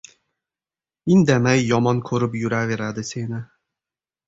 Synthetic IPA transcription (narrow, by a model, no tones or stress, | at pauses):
ind̪amæjːɒmɒnkʰɵɾɪpjuɾaveɾad̪ɪsenɪ